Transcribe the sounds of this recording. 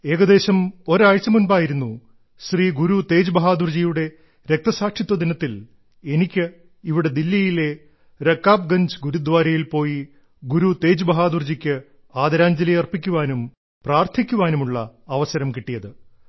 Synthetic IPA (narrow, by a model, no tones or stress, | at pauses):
e̞ːɣɐd̪e̞ːɕɐmo̞ɾaːɻt͡ɕːɐmunbaːjiɾun̪ːu | ɕriːɡuɾut̪e̞ːd͡ʑubɐɦaːd̪urd͡ʑijuɽe̞ | ɾe̞k̚t̪ɐsaːkʂit̪ːwɐd̪inɐt̪ːil | e̞nikʲːɨ | iʋiɽe̞d̪ilːijile̞ | ɾɐkːaːb̚ɡɐɲd͡ʑɨɡuɾud̪ʋaːɾɐjilpo̞ːji | ɡuɾut̪e̞ːd͡ʑubɐɦaːd̪urd͡ʑikʲːɨ | aːd̪ɐɾaːɲd͡ʑɐlɐjɐrpikʲːuʋaːnum | praːrt̪ʰikʲːuʋaːnumuɭːɐɐʋɐsɐɾɐmkiʈːijɐðɨ